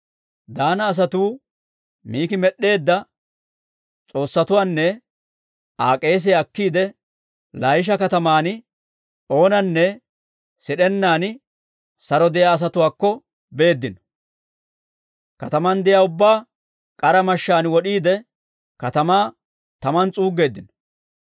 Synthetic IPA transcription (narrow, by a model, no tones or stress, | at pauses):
d̪aːnɐːs̬ɐt̪uː | miːkɪmɛɗːe̞ːd̪ːɐ | t͡sʼo̞ːsːɐt̪ʊwaːnːɛ | aːkʼe̞ːs̬ɛɐkːiːd̪ɛ | lajɪʃ̬ɐkɐt̪ɐmaːn | o̞ːnɐnːɛ | sɪɗɛnːaːnɪ | sɐɾɔd̪ɛjaːs̬ɐt̪ʊwaːkːɔ | be̞ːd̪ːɪnɔ̥ | kɐt̪ɐmɐnd̪ɛjaːʊbːaː | kʼɐɾɐmɐʃːaːnwɔɗiːd̪ɛ | kɐt̪ɐmaː | t̪ɐmɐnt͡sʼuːɡe̞ːd̪ːɪnɔ